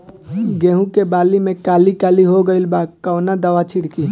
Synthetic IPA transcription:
ɡeːɦũkebaːlimẽkaːlikaːliɦoɡəɪlbaːkkəwnad̪əʋat͡ʃʰiɽki

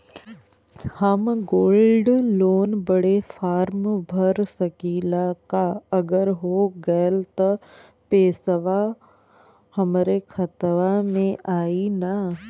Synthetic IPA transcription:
həmɡoːlɖloːnbəɽefaːɾmbʱɐɾsɐkiːlakaɐɡəɾɦoːɡɐlt̪ɐ | peːsəʋa | hɐmɾekʰɐt̪ʋamẽʔaːina

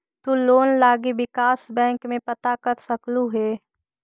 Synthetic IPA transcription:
t̪uloːnlaːɡiʋɪkaːsbɛ̃ːŋkmẽpɐt̪aːkət̪sɐkluɦɛː

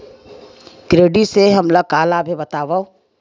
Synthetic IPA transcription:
kɾeːɖiseɦɐmləkaːlabʱibɐt̪aːʋao

